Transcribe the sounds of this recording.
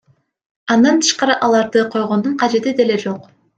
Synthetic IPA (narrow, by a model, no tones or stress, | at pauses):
ɑnd̪ɑnt̪ʰɯ̥ʃqɑɾɯʔɑlˠɑɾd̪ɯqʰo̞jʁo̞nd̪uɴqʰɑd͡ʒe̞t̪id̪e̞led͡ʒo̞q